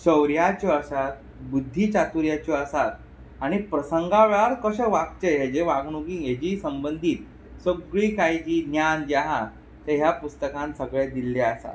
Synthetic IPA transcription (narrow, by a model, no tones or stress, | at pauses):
ɕəwɾjat͡ɕoəsat̪̚ | bud̪ʱːiːt͡ɕat̪uɾjat͡ɕoəsat̪̚ | aɽ̃ipɾəsəŋɡaʋeɭaɾkəɕəʋak̚t͡ɕeɦed͡ʑeʋaɡɳ̃ukijed͡ʑiːsəmbənd̪ʱiːt̪̚ | səɡɭiːkajd͡ʑiːnjand͡ʑaɦã | t̪eɦjapust̪əkãnsəɡɭed̪ilːeəsa̰t̪